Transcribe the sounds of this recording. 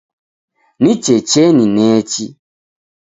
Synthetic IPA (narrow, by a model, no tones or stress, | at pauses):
nĩt͡ʃet͡ʃenĩnɛ̃ːt͡ʃi